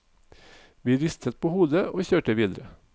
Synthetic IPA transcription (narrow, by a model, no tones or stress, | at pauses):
ʋiːɾɪst̪ʰət̪̚pʰoːhuːd̪əoːçøːʈəʋiːd̪ɾə